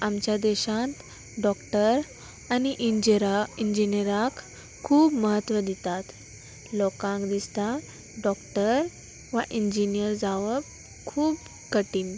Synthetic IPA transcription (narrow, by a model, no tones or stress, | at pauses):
amt͡ɕjad̪ɛɕãt̪ | ɖɔkʈəɾ | aniʔiɾaind͡ʑinəɾakʰː | uːbməɦət̪ːʋəd̪it̪at̪ | lɔkãŋkd̪ist̪a | ɖɔkʈəɾ | ʋaʔiɲd͡ʑinijəɾd͡zaʋəp | kʰuːb | kəʈiːn